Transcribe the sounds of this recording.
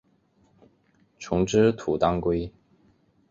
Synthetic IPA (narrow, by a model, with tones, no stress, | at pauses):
ʈ͡ʂʰʊ˧˥ŋʈ͡ʂɻ̩˥t̪ʰu˨˩t̪ɑ˥ŋkwe˥ɪ